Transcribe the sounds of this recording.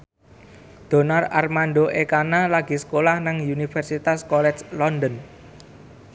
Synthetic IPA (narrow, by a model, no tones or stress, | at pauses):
d̪̥o̤nara̰rmanɖ̪oʔekanalaɡ̥i̤sə̥kolahnaŋunifɛrsit̪askɔlɛt͡ʃlɔnd̪ən